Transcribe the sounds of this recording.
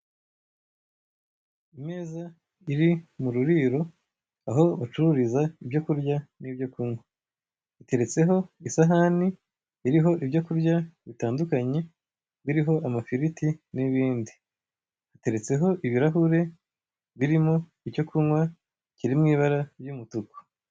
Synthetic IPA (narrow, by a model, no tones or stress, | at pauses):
imeːza | iɾimuɾuɾiɾo̞ | aɦo̞at͡ʃuɾuɾizaibɟo̞kuɾjanibjo̞kuŋwa | ite̞ɾe̞t͡se̞ɦo̞isaɦaniː | ɾiɦo̞ʔibɟo̞kuɾɟaβitaːndukaɲe̞ | βiɾiɦo̞ʔamafiɾitiniβiːndi | ate̞ɾe̞t͡se̞ɦo̞ʔiβiɾaɦuɾe̞ | βiɾimo̞ | icco̞kʰuŋwa | ciɾimŋiːβaɾabjumutuko̥